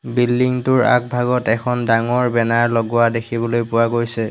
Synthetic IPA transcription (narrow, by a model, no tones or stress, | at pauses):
bildiŋtʊɹa̰k̚bʱaɡɔtɛkʰɔndaŋɔɹbɛnaɹlɔɡuwadekʰibɔlojpʊwaɡojsɛ